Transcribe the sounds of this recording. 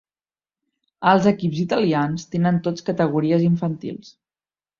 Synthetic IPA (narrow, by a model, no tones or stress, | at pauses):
əlˠzəkipzit̪əlianst̪enənt̪ot͡skət̪əɣuɾiəziɱfənt̪ḭlˠs